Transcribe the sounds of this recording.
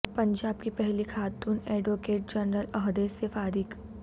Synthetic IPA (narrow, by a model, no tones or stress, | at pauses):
pɐ̃ɲd͡ʒaːbkipɛɦlikʰaːt̪uːnɛːɖʋoːkeːʈ̚d͡ʒɐnɾəlɐɦd̪eːsefaːɾɪk